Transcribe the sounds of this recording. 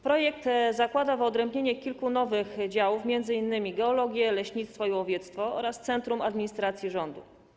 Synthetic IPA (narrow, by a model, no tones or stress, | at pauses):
pɾɔjɛkt̪zakwad̪avɔd̪ɾɛmbɲeɲɛkʲilkunɔvɘxd͡ʑawufmʲjɛnd̪zɘinːɘmʲiɡɛɔlɔɡʲjɛlɛɕɲit̪st̪fɔiwɔvʲjɛt̪st̪fɔɔ̰ɾast̪sɛnt̪ɾumad̪mʲiɲist̪ɾat̪sʲjiʐɔnd̪ṵ